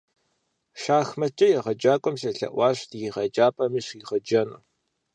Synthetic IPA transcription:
ʃaːxmɐt͡ʃʼɐjɛʁɐd͡ʒaːkʷʼɔmsɐɬɐ̰ʔʷɑːɕtjiʁɐd͡ʒaːpʰʼɐmiːɕiʁɐd͡ʒɐnṵː

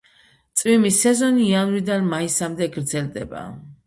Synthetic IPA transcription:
t̪sʼvimisɛzɔniːanvid̪anmaisamd̪ɛɡɾd̪zɛld̪ɛba̰

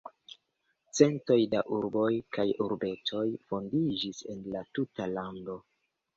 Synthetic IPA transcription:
t͡se̞nto̞jdaʔuɾbo̞jkajuɾbe̞to̞jfo̞ndid͡ʒise̞̰nlatutalando̞

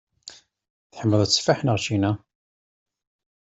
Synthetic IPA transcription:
θħəmːəðˤəsfaħnəʁt͡ʃinæ

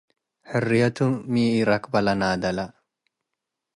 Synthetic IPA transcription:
hʊrːijɐt̪uːiːiɾɐkbɐlɐnaːd̪ɐlɐ

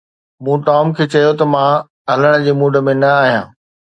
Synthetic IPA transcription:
mũːʈaːmkʰeːt͡ɕɐjot̪ɐmã | ɦɐləɽ̃ə̆d͡ʑeːmũːɖʱə̆mẽnɐaːɦijã̰ː

